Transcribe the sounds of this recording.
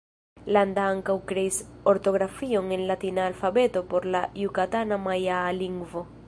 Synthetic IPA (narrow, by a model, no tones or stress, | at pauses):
land̪aaŋkawkɾeisoɾt̪o̞ɣɾafio̞ŋenlat̪inaːlfabet̪o̞po̞ɾlajukat̪anamajaliŋɡvo̞